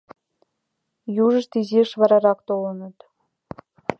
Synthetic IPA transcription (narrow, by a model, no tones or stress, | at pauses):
juʒə̆ʃt̪iziʃβɑɾɑɾɑkt̪olɤ̆nɤ̆t̪